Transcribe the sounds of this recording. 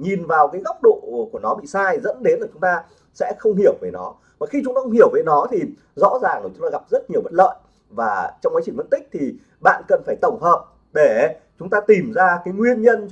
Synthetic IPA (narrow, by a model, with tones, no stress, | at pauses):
ɲi˨˩nvaː˨˩wkaː˨˦jɣɔ˦˥wk͡p̚ɗo̰˧˨ku˧˩ənɔ˨˦ɓḭ˧˨saː˧jzə̰˧˥nɗe˨˦nla˨˩t͡ɕʊ˨˦ŋ͡mt̪aː˧ | sɛ̰˧˥xə˧wŋ͡mhi˧˩əwve˨˩nɔ̰˨˦ | vaː˨˩xi˧t͡ɕʊ˨˦ŋ͡mt̪aː˧xə˧ŋ͡mhi˧˩əwve˨˦nɔ˨˦t̪ʰi˨˩ | zɔ̰˧˥zaː˨˩ŋlːt͡ɕʊ˨˦ŋ͡mt̪aː˧ɣa˨˩p̚zə˦˥t̚ɲi˨˩əwvə̰˧˥n̚lə̰ː˧˨j | vaː˨˩t͡ɕɔ˧ŋ͡mkaː˨˦t͡ɕï˧˩ŋvə̰˧˥nt̪ï˦˥k̟̚t̪ʰi˨˩ | ɓa̰ː˧˨nkə˨˩nfaː˧˩jt̪ə˧˩wŋ͡mɦəː˨p̚ | ɗe˧˩t͡ɕʊ˨˦ŋ͡mt̪aː˧t̪i˨˩mzaː˧kaː˨˦jŋwi˧ənɲə˧n